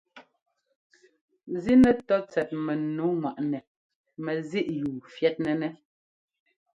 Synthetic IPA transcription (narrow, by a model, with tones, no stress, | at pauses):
zi˦nɛ˦˨tɔ˦t͡sɛ˨t̚mɛ˨nu˨˦ŋwa˨ʔnɛ˨ | mɛ˨zi˦ʔjuː˨fjɛ˦t̚nɛ˨nɛ˦